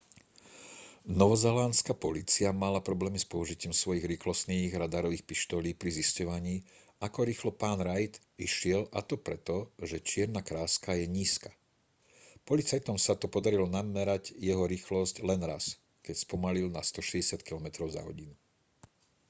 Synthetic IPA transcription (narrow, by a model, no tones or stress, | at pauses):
nɔʋɔzɛlanskapɔliːt͡siamalapɾɔblɛːmispɔuʒicɪimsʋɔjiɣɾiːxlɔst̪niːɣɾad̪aɾɔʋiːxpiʃt̪ɔliːpɾiziscɔʋaɲiː | akɔɾiːxlɔpaːnɾajt̪ | iʃɪɛlʔat̪ɔpɾɛt̪ɔʒɛt͡ʃɪɛɾnakɾaːskajɛɲiːskḁ | pɔlit͡sajt̪ɔmsat̪ɔpɔd̪aɾilɔnamɛɾaɟjɛɦɔɾiːxlɔsclɛnɾas | kɛcspɔmalilnast̪ɔʃɛɟɛsɪat̪kilɔmɛt̪ɾɔʊza̰ɦɔ̰ɟinu